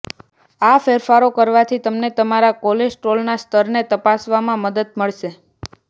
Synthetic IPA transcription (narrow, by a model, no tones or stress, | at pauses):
afeɾfaɾokəɾʋat̪ʰit̪əmnet̪əmaɾakoled͡ʒʈɾolnast̪ʰəɾnet̪əpasʋamãməd̪əd̪məɭʃe